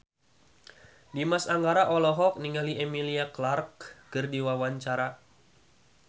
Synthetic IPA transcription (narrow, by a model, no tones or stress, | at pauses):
dimasaŋɡaɾaʔɔlɔɦɔk̚niŋaliemiliaklarkkɨrdiwawaɲt͡ʃaɾa